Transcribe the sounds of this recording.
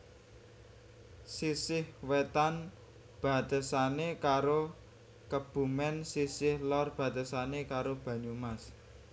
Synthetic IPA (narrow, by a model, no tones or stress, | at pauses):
sisɪhwet̪an | b̥a̤t̪əsanekaɾo | kəb̥ṳmɛnsisɪhlɔrb̥ä̤t̪əsanekaɾob̥ä̤ɲumas